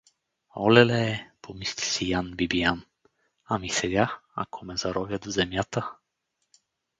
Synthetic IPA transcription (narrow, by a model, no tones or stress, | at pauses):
ɔ̰lɛlɛpʰomist̪ʲi̥sijanbibijan | amisɛɡʲaa̰kʰomɛzaɾɔvʲjad̪ozɛmjat̪ə